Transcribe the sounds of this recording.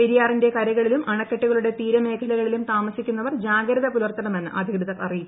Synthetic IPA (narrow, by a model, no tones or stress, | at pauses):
eɾijaːrinde̞kɐɾɐɣɐɭilumɐɳɐkːɐʈːuɣɐɭuɽe̞t̪iːɾɐme̞ːkʰɐlɐɣɐɭilumt̪aːmɐsikʲːunːɐʋɐrd͡ʑaːɡɾɐðɐpulɐrt̪ːɐɳɐme̞nːɨ̰ʔɐd̪ʱiɾɐðɐɐrij